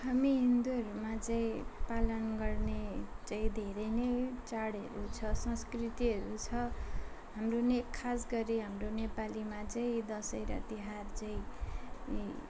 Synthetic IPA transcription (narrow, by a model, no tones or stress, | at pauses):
ɦamiɦind̪uʌɾumat͡saĩpalʌnɡʌrnet͡sʌĩd̪ʱeɾʌnʌjt͡saɽʌ̰ɾut͡sʰʌsʌ̃skrit̪iɦʌɾut͡sʰʌ | ɦamronekʰasɡʌɾiɦamronepalimat͡saĩd̪ʌsʌjɾʌ̰t̪iɦart͡saĩ